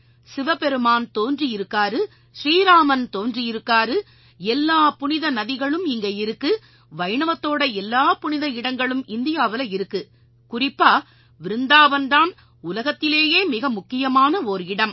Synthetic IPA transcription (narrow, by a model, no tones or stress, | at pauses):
sɪʋɐpɛɾɯmaːnt̪oːndriɪɾɯkːaːɾɯ | ʃɾiːɾaːmɐnt̪oːndrijɪɾɯkːaːɾɯ | ɛlːaːpʊnɪðɐnɐðɪɣɐɭɯmɪŋɡɐɪɾɯkːɯ | ʋɐɪɳɐʋɐt̪ːoːɽɐɛlːaːpʊnɪðɐɪɽɐŋɡɐɭɯmɪnd̪ɪjaːʋɪlɐɪɾɯkːɯ | kʊrɪpːaː | ʋɪɾɯnd̪aːʋɐnd̪aːn | ʊlɐɣɐt̪ːɪleːjeːmɪɣɐmʊkːɪjɐmaːnɐoɾɪɽɐm